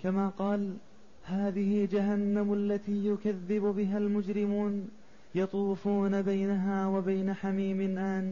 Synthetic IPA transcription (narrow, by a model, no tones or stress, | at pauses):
kamaːqɑːl | haːðɪhɪd͡ʒaɦanːamalːat̪iːjʊkaðːɪbʊbɪɦalmʊd͡ʒɾɪmuːn | jɑt̪ˤuːfuːnabajnaɦaːwabajnaħamiːmɪnʔaːn